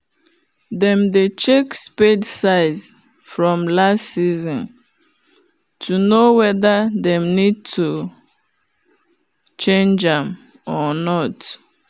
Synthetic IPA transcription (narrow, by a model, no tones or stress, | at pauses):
dɛ̃mdet͡ʃekspedsaɪz | fɹɔ̃mlastsizɔ̃n | tʰunowɛðadɛ̃mnid̚tʰu | t͡ʃẽnd͡ʒãm | ɔnɔt